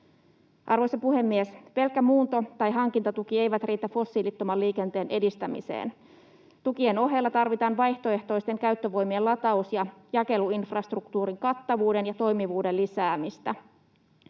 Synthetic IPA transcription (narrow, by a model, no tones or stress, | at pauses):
ʔɑrʋo̞jsɑpuɦe̞mːiespe̞lkːæmuːnt̪o̞t̪ɑjɦɑŋk̟int̪ɑt̪uk̟iejʋæt̪rʔiːt̪æfo̞sːilit̪ːomɑlliːke̞nt̪e̞ːnʔe̞dist̪æmḭsḛːn | t̪uk̟ie̞no̞ɦe̞lːɑt̪ɑrʋit̪ɑːnʋɑjht̪o̞e̞ht̪o̞jst̪e̞ŋkæyt̪ːøʋo̞jmielɑt̪ɑusjɑjɑke̞luinfrɑst̪rukt̪uːɾiŋkɑt̪ːɑʋuːde̞njɑt̪o̞jmiʋuːdelːisæːmist̪æ